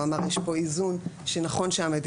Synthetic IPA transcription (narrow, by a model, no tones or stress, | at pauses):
amaʁjeʃpo̞izunʃenaχo̞nʃeamed̪